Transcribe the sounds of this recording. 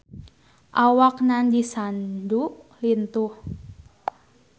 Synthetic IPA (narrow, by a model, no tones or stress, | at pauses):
ʔawak̚nandisanduʔlint̪ʊh